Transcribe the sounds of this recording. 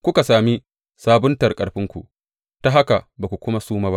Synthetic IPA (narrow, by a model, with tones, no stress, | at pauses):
kʷʊ˦ka˨saː˨mi˦ | saː˦bʊ˦ntɐ˨rkʼɐ˨ɽɸɪ˦ŋkʷṵ˨ | ta˦ɦa˦ka˨baː˨kʷu˨kʷʊ˦ma˦suː˦maː˦ba˦ʔ